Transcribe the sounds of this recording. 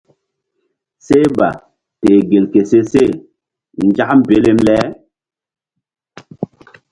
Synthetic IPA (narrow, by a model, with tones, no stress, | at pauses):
se˦ba̰˨ | teː˨ɡe˨lke˨se˦se˦˨ | n˦d͡ʒa˦ʔm˦be˦le˦mlɛ˦